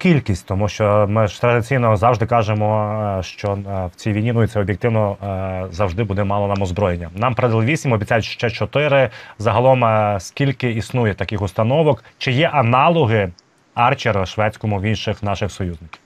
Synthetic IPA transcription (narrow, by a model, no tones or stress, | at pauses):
kʲilʲkʲisʲtʲt̪ɔmuʃt͡ʃɔmɪt̪ɾɐd̪ɪt͡sʲijnɔzɑwʒd̪ɪkɑʒemɔʃt͡ʃɔwt͡sʲijʋʲijnʲinujit̪sɛɔbʲjek̚t̪ɪwnɔzɐwʒd̪ɪbud̪ɛmɑlˠɔnɑmɔzbɾɔjenʲːɐnɑmpɾɐd̪ɪlˠɪʋʲisʲimɔbʲit͡sʲajʊtʲʃt͡ʃɛt͡ʃɔt̪ɪɾɪzɐɦɐlˠɔmskʲilʲkɪisnujɛt̪ɐkɪxʊst̪ɐnɔʋɔkt͡ʃɪjɛʔɐnɑlˠɔɦɪ | ɑrt͡ʃeɾɐʃʋɛt͡sʲkɔmʊʋinʃɪxn̪ɑʃɪxsɔjuznɪkʲi̥w